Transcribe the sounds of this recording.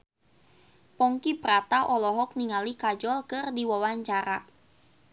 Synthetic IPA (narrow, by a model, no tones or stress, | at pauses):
pɔŋkipɾat̪aʔɔlɔɦɔk̚niŋalikad͡ʒɔlkɨrdiwawaɲt͡ʃaɾa